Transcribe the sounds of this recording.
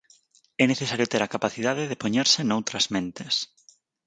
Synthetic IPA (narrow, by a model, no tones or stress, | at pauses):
ɛneθesaɾjot̪eɾakapaθið̞aðeðepoɲeɾsenowt̪ɾɐzmẽnt̪es